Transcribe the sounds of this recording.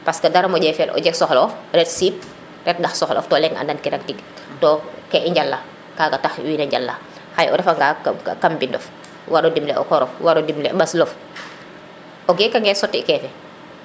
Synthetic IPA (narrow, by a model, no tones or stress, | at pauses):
paskɐdaɾɐmɔɟɛfɛlʔɔ̰ɟɛk̚sɔxlɔfɾɛtsiːp̚ | ɾɛt̚dɐxsɔxlɔ̰ftɔːlɛŋa̰ndankiɾak̚tiɡ | tɔːkɛʔiɲɟalːa | kaːɡɐtaxwiːnɐɲɟalːa̰ | xajʔɔ̰ɾɛfaŋɡakambindɔf | waɾɔdimlɛʔɔ̰kɔɾɔfwaɾɔdimlɛɓɐslɔf | ʔɔɡɛkaŋɡɛsɔtːikɛfɛ